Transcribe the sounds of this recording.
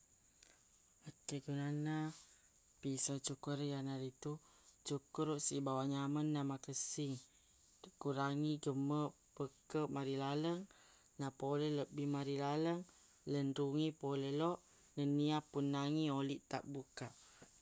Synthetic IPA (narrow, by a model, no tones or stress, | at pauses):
ət̪əɡunana | pisat͡ʃukuɾjanaɾit̪u | t͡ʃukuɾuʔsibawaʔɲamənːamakəsiŋ | əkuɾaŋiɡəmə | pəkəʔmaɾilaləŋ | napolɛləʔbimaɾilaləŋ | lənɾuŋipolelɔʔ | nəniapunːaŋioliʔt̪a̰ʔbukaʔ